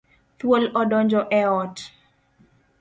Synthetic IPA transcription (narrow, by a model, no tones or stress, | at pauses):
t̪wolɔdɔnd͡ʒɔʔɛɔt